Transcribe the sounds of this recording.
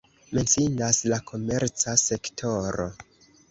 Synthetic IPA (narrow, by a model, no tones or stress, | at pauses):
me̞nsindaslakʰo̞me̞ɾt͡sase̞ktʰo̞ɾo̞̰